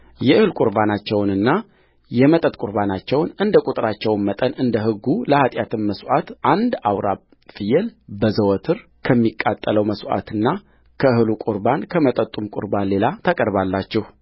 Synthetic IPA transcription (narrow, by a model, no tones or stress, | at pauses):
jɛʔɨhɨlkʼuɾbanat͡ʃːɛwnɨnːa | jɛmət̪ʼət̪ʼkʼuɾbanat͡ʃːɛwnɨnd̪əkʼut̪ʼɾat͡ʃːɛwnmət̪ʼənɨnd̪əɦɨɡːuləhat̪ʼjat̪ʰɨmməswʔat̪ʔand̪awɾa | fɨjɛlbəzəwɔt̪ʰɨɾkʰəmːikʼːat̪ʼːələwməsʔa̰t̪ɨnːa | kʰəɨhɨlukʼuɾbankʰəmət̪ʼət̪ʼumkʼʊ̰ɾbanle̞lat̪ʰakʼəɾβalːat͡ʃːɛh